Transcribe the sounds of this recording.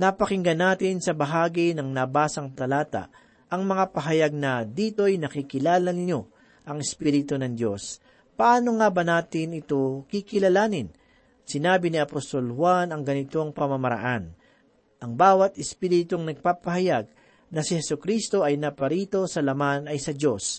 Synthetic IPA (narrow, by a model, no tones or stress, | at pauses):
nɐpɐkɪŋɡɐnaːt̪ɪnsɐbɐɦaːɡinɐŋnɐbaːsɐŋt̪ɐlaːt̪a̰ | ʔɐŋmɐŋapɐɦɐjaɡ̚nɐd̪iːt̪o̞jnɐkikɪlaːlɐnɲo̞ | ʔɐŋɪspiɾɪt̪onɐŋd̪jo̞s | pɐʔaːno̞ŋaːbɐnaːt̪ɪnɪt̪o̞kikɪlɐlaːnɪn | sɪnaːbɪniɐpost̪o̞lhwanɐŋɡɐnɪt̪o̞ŋpɐmɐmɐɾɐ̰ʔan | ʔɐŋbaːwɐt̪ɪspiːɾɪt̪oŋnɐɡ̚paːpɐɦɐjaɡ̚ | nɐsɪhɛsʊkɾist̪o̞ɐjnɐpɐɾiːt̪o̞sɐlɐmanɐjsɐd͡ʒo̞s